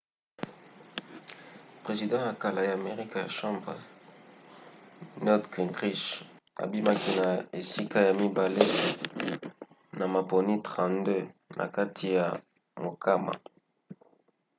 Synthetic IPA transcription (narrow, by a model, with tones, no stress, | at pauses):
pʁe˨zi˨dɑ̃˦ja˨ka˨la˨ja˨me˨ʁi˦ka˨ja̰˨ʃɑ̃˦mbʁ | nɔ˦dkĩ˨ntʁi˦ʃ | a̰˨bi˦ma˦ki˦na˨e˨si˦ka˦ja˨mi˦ba˨le˦ | na˨ma˨po˨ni˦tʁã˨ndø˦nʔa̰˨ka˦tʰi˨ja˨ | mo˨kʰa˦ma̰˨